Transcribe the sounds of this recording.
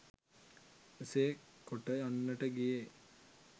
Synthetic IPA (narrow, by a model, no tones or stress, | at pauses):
eseːkoʈəanːəʈəɡije